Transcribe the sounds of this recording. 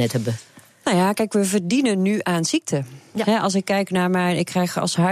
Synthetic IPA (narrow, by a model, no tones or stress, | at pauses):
ɛtɛbə | nawjakɛjkʋəvərdinənːyʔaːnz̥ik̚tʰəɦɛʔɑlˠs̬ɪkːɛjknaːɹmɛjɪkːrɛjxɑ̰lˠsɦa